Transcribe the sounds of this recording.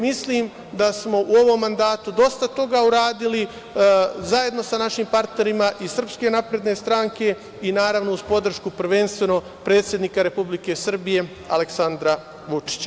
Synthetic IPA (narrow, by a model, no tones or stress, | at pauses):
misliːm | d̪asmo̞ʔuo̞ʋo̞mːand̪aːt̪ud̪o̞st̪at̪o̞ɡauɾaːd̪ili | zaje̞d̪no̞sanaʃimpaɾt̪ne̞ɾimaʔisr̩pske̞napɾe̞d̪ne̞st̪ɾaŋke̞ | inaːɾaʋno̞uz̥po̞d̪r̩ʃkupr̩ʋe̞nst̪ʋe̞no̞ | pɾe̞ːt̪sʲje̞d̪nikaɾe̞publike̞sr̩bije̞ | a̰le̞ksand̪ɾa | ʋut͡ʂi̥t͡ɕa